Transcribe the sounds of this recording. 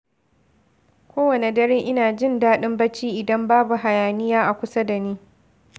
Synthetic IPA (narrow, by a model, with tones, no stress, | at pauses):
kʷoː˦wɐ˨ne˨dɐ˦ɾeː˦ʔɪ˦naː˨d͡ʒɪ˦˨ndaː˦ɗɪ˦mbɐ˦t͡ʃiː˦ʔɪ˨dɐ˦mbaː˦bu˨ɦa˨jaː˨nɪ˦jaː˦ʔa˨kʷʊ˦sa˦da˨niː˦